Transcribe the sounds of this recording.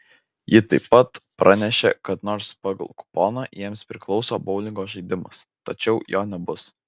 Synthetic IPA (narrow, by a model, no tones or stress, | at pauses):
jɪt̪ɐɪpːɐt̪pɾʔɑnʲɛʃʲḛkɐt̪noːɾspɑːɡɐ̰lˠkʊ̥po̰ːnɑjiɛmspʲɾʲɪklˠɒʊsoːbɐʊlʲɪŋɡoːʒɐɪd̪ʲɪmɐ̰st̪ɐt͡ʃʲɛʊjoːnʲɛbʊs